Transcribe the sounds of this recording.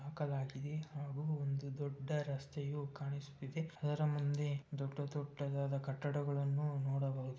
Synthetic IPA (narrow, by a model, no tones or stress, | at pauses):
aːkɐlaːɡid̪e̞haːɡuond̪ud̪ɔɖːɐɾɐst̪ʰɛjukaːɳisu̥t̪ːid̪eɐd̪ɐɾɐmund̪e̞d̪ɔɖːɐt̪ɔʈːɐd̪aːd̪ɐkɐʈːɐɽɐɡɐɭɐnːunɔːɽɐbaːɡd̪e